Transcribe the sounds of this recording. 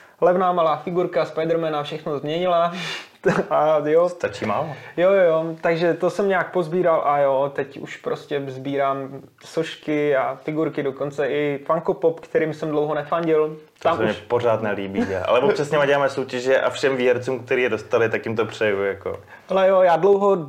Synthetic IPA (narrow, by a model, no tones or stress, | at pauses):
lɛvnaːmalaːfɪɡuɾkaspajdɾmɛnafʃɛxnozmɲɛɲɪla | ajost̪at͡ʃiːmaːlojojojot̪aɡʒɛt̪o̞sɛmɲɛak̚po̞zbiːɾalʔajot̪ɛcṵʃpɾoscʲɛzbiːɾaːm | soʃkɪjaːfɪɡuɾkɪdo̞ko̞nt͡sɛʔɪfaŋkopopkt̪ɛɾiːmsɛmdlowɦonɛfaɲɟɪlt̪amsɛmmɲɛpo̞r̝aːt̪nɛliːbia̰ʔa̰lɛvot͡ʃasɲɛmaɟɛaːmɛsowcɛʒɛʔa̰fʃɛmviːɦɛɾt͡suːmkt̪ɛɾiːjɛdo̞st̪alɪt̪akjɪmt̪opr̝̥ɛjujako̰ | alɛjojaːdlowɦo